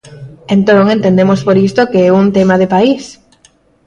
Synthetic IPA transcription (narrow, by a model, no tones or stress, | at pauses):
ẽnt̪oŋẽnt̪ẽnd̪emospoɾist̪okeɛunt̪emaðepais